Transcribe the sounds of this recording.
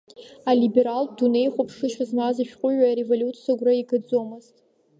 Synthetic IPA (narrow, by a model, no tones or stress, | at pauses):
alibe̞ɾaldune̞jχʷopʰʂɨʃᶣazmaziʃᶣqʷʼʊɥaːɾevolʲutt͡sʰaɡʷraiɡɨd͡zomɨztʼ